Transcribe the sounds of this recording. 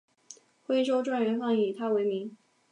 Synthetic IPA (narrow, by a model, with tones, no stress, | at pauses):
xwe˥ɪʂ̬o˥ʊʈ͡ʂwa˥˩nɥɛ˧˥nfɑ˥˩ŋi˨˩t̪ʰa˥we˧˥ɪmi˧˥ŋ